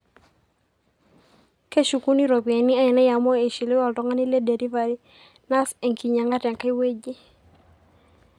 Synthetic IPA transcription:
ke˦ʃu˨ku˦ni˦ɾɔ˨pe˨ni˦a˦ɛ˨na˦ja˨mɔ˦e˨ʃi˨le˦wa˨ltɔ˦ŋa˦ni˦le˦de˨ɾi˦va˨ɾi˦ | na˦se˨ŋkʰi˨ɲa˨ŋɡa˦tɛ˨ŋka˦i˦we˦d͡ʒi˦

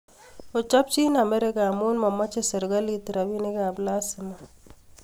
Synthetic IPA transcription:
o˨t͡ʃa˦p̚t͡ʃi˦na˨mɛ˦ɾɪ˦kaː˨mu˦nma˨ma˦t͡ʃe˦sɛ˨ɾɡa˦li˦t̪ɾa˨bi˦ne˦ɡa˨bla˦sɪ˨ma˨

